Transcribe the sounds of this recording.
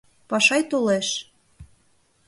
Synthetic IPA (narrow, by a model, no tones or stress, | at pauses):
pɑʃɑjt̪oleʃ